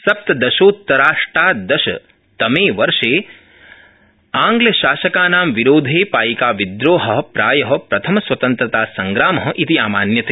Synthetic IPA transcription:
sɐp̚t̪ɐd̪ɐʃoːt̪ːɐɾaːʂʈɾaːd̪ɐʃɐ̰ | t̪ɐmeːʋɐɾʂeː | aːŋɡlɐʃaːʃɐkaːnaːmʋiɾoːd̪ʱeːpaːjikaːʋid̪ɾoːɦɐɦɐpɾaːjɐɦɐ̆pɾɐt̪ʰɐmɐsʋɐt̪ɐnt̪ɾɐt̪aːsɐŋɡɾaːmɐɦɐ̆ʔit̪iaːmaːnjɐt̪eː

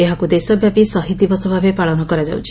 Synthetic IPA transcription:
eɦakud̪esɔbʱjapisɔɦid̪ibɔsɔbʱabepaɭɔnɔkɔɾad͡ʒa̰wt͡ʃʰi̥

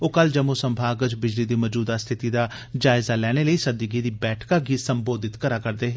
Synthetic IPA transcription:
oːkəld͡ʒəmosəmbʱaːɡət͡ʃbɪd͡ʒliːd̪iːməd͡ʒuːd̪aːst̪ʰɪt̪iːd̪aː | d͡ʒaːɪzaːlɛːɽ̃eːləiːsəd̪iɡiːd̪iːbɛːʈʰkaːɡiːsəmboːd̪ɪt̪kəɾaːkəɾd̪eːɦ

